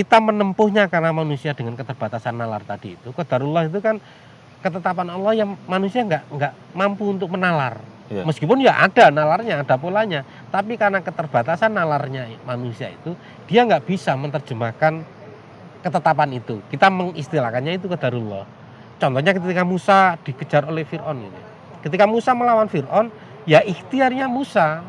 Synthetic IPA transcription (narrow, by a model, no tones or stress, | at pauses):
kit̪amənəmpʊhɲakarnamanusiad̥əŋankət̪ərb̥a̤t̪asanːalart̪ad̥iːt̪ukəd̪̥aɾulːɔhit̪̬ukan | kət̪ət̪ap̬anɔlːɔhjaŋmanusiaŋɡaʔŋɡaʔmampuunt̪ʊk̚mənalar | məskipʊnjaʔa̰d̥analarɲaːd̥a̤polaɲa | t̪apikarənakət̪ərb̥a̤t̪asanːalarɲamanusia̰ḭt̪u | d̥iaŋɡaʔb̥isamənt̪ərd͡ʒ̥əmakan | kət̪ət̪apanit̪ukit̪aməŋist̪ilakanɲait̪ukəd̪̥aɾulːɔ̰h | t͡ʃɔnt̪ɔɲakət̪ikamusad̥i̤kə̥d͡ʒ̥a̤rolɛhfirʔɔnɡit̪ṵ | kət̪ikamusaməlawanfirʔɔn | jaʔiht̪iarɲamusa